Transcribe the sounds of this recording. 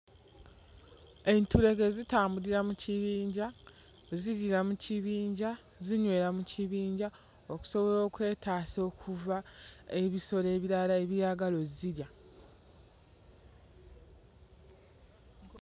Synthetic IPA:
e̞ntuɾe̞ɡezitaːmbuɾiɾamuciβiːɲɟa | ziɾiɾamuciβiːɲɟaziɲwe̞ːɾamucʰiβiːɲɟa | oku̥so̞βo̞ɾo̞ːkwe̞ːtaːso̞ːkʰuva | e̞βiso̞ɾe̞ːβiɾalae̞βjaɡalo̞zziɾja

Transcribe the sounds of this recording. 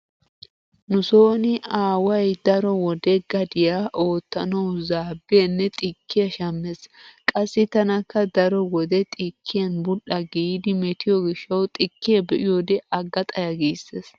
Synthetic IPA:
nʊso̞ːnɪaːwɐjd̪ɐɾɔwɔd̪ɛɡɐd̪ɪjaʔo̞ːt̪ːɐnɐwzaːbːɐnːɛt̪ʼɪkʰːɪjɐʃɐmːeskʼɐsːɪt̪ɐnɐkːɐd̪ɐɾɔwɔd̪ɛt̪ʼɪkʰːɪjɐnbʊɗːɐɡiːd̪ɪmɛt̪ɪjɔɡɪʃːɐwt̪ʼɪkːɪjɛbɛʔɪjod̪ɛʔɐɡːɐt̪ʼɐjɐɡiːsːeːs

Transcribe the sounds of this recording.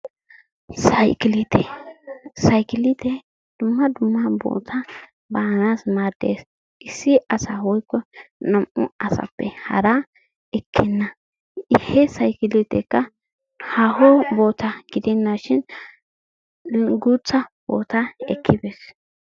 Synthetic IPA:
sɐjkɪlit̪ʰɛ | sɐjkɪlɪt̪ɛ | d̪̥ʊmːɐd̪ʊmːɐbo̰ːt̪ʰɐ | baːnasmaːd̪ḛːs | ɪsːɪɐsawɔjkːɔnɐmʔʊɐsɐ̰pːɛhɐ̰ɾɐ | ɛkʰːɛnːɐ | hɛsɐjkɪlɪt̪ɛkːɐ | haɦɔboːt̪ʰɐɡɪd̪ɛnːaʃɪn | ɡut͡sːɐb̥o̰ːt̪ɐɛ̰kʰːɪbɛs

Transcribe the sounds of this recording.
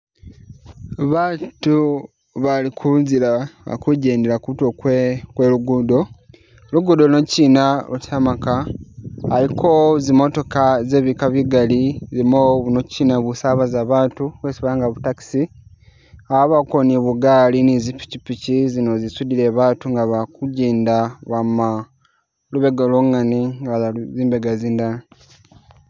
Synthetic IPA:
βaːtu | βalikʰunzilaβa̰kuɟe̞ːndeɾakutokwkweluɡudo | luɡudo̞nociːnaβutamakaː | likʰozimo̞to̞kaze̞ːβikaβiɡalizimounociːnaβusaβazaβaːtuβweːsiβaaŋɡaβutaki̥si | aβakoniβuɡalinizipi̥cipicizino̞zisudile̞βaːtuŋɡaβakuɟiːndaβama | luβeɡaloŋaniŋɡaziːmbeɡaziːndana

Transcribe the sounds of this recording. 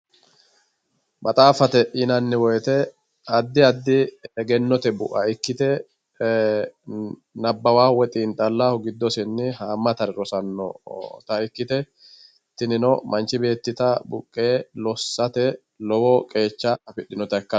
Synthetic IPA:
bɐt̪ʼaːfɐt̪ɛʔɪnɐnːɪwɔjt̪ɛ | ɐd̪ːɪɐd̪ːɪɛɡɛnːɔt̪ɛbʊ̰ʔɐɪkːɪt̪ɛ | nɐbːɐwaːwɛt̪ʼiːnt̪ʼɐlːahɔɡɪd̪ːɔsɪnːɪhaːmːɐt̪ɐɾɛɾɔsɐnːɔ̰t̪ɐɪkːɪt̪ɛ | t̪ɪnɪnɔmɐnt͡ʃːɪbe̞ːt̪ːɪt̪ɐbʊ̰kʼːe̞ːlɔsːɐt̪ɛ | lɔwɔkʼe̞ːt͡ʃːɐɐfɪɗːɪnɔt̪ɐɛkːɐ

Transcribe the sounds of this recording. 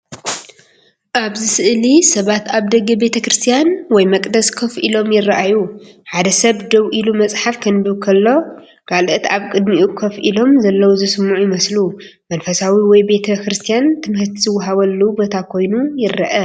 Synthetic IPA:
ʔaβzɨsɨʔlisɐβat̪aβd̪ɐɡɐbe̞t̪ʰɐkɾɨst̪ʰijanwɔjmɐkʼd̪ɐskʰɐfʔilo̞mjɪrːaʔajuħad̪ɐsɐβd̪ɐβʔilumɐt͡sʼħafkʰɐnb̪ɨβkʰɐlːo̞ | kʰalɨt̪aβkʼɨd̪miʔukʰɐfʔilo̞mzɐlːɐwuzɨsɨmːuʕujɪmɐslu | mɐnfɐsawiwɔjbe̞t̪ʰɐkɾɨst̪ʰijant̪ʰɨmhɨt̪ʰzɨwːɦaβɐlːubot̪ʰakʰo̞jnujɪrːɐʔɐ

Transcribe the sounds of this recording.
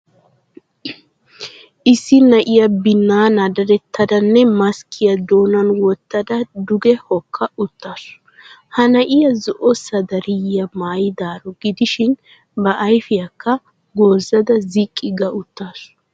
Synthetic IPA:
ʔɪsːɪnɐʔɪjɐbɪnːaːnɐd̪ɐɾɛt̪ʰːɐd̪ɐnːɛmɐskʰɪjɐd̪oːnɐnwɔt̪ːɐd̪ɐd̪ʊɡɛhɔkʰːɐʔʊt̪ːas | hɐnɐʔɪjɐzɔʔɔsɐd̪ɐɾɪjjɐmaːjɪd̪aːɾɔɡɪd̪ɪʃɪn | bɐʔɐjfɪjɐkːɐ | ɡo̞ːzːɐd̪ɐzɪkʼːɪɡɐʔʊt̪ːaːs

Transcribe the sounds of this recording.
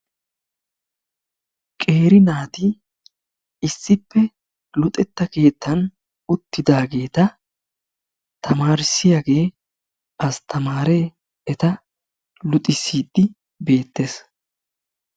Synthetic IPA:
kʼe̞ːɾɪnaːt̪ɪ | ɪsːɪpːɛ | lʊt̪ʼɛt̪ːɐke̞ːt̪ːɐn | ʊt̪ːɪd̪aːɡe̞ːt̪ɐ | t̪ʰɐmaːɾɪsːɪjaːɡe̞ː | ɐst̪ʰɐmaːɾeː | ɛt̪ɐ | lʊt̪ʼɪsiːd̪ːɪ | be̞ːt̪ːes

